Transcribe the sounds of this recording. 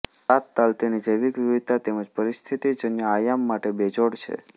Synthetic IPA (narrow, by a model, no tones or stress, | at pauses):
at̪ːalt̪inid͡ʒəjʋikʋiʋit̪ːat̪eməd͡ʒpəɾist̪ʰit̪id͡ʒənjəajamːaʈebed͡ʒoɽt͡ʃʰḛ